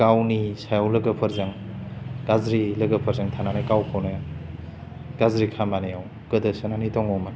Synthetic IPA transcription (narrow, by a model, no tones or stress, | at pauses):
ɡawnisajawlɐɡɐpʰɐɾzaŋɡazɾilɐɡɐpʰɐɾzaŋtʰananajkawkʰownɯ | ɡazɾikʰamanijaw | kɯdɐsɯnanitɔŋɔman